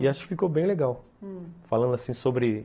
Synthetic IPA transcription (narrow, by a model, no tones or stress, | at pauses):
iaʃʊ̥kɪ̥fikobẽj̃leɡaw | falɐ̃nd̪ʊasĩsobɾɪ